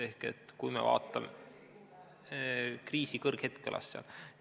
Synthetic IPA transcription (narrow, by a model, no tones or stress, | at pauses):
e̞hke̞̰t̪ːkujmḛvɑ̰ːt̪ːˑɑme | kriːsikɤrɡ̥he̞t̪kḛlʔɑ̰sːɑ̰l